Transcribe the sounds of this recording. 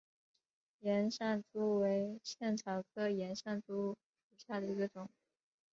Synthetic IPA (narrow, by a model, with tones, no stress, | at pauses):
jɛ˧˥nʂa˥˩nʈ͡ʂu˥we˧˥ɪɕjɛ˥˩nʈ͡ʂʰɑ˧˥ʊkʰɤ˥jɛ˧˥nʂa˥˩nʈ͡ʂu˥ | ʂu˨˩ɕja˥˩d̪ə˩i˧˥ɡə˧ʈ͡ʂʊ˨˩˦ŋ